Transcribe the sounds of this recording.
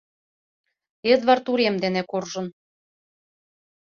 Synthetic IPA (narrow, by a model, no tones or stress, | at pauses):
ed̪βɑrt̪uɾemd̪enekorʒɤ̆n